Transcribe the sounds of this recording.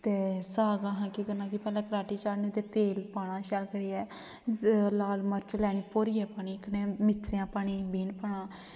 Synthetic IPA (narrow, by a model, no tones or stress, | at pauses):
t̪eːsaːɡãːɦãːkiːkəɾnãːkipɛːlãːkɾaːʈiːt͡ʃaːnũːt̪eːt̪eːlpaːɽ̃ãːʃɛːlkəɾiːɛː | laːlməɾt͡ʃlɛːɳ̃iːpoːɾiːɛːpaːɳiːknẽːmɪt̪ːɾejãːpaːɳ̃iːbiːnpaːɳãː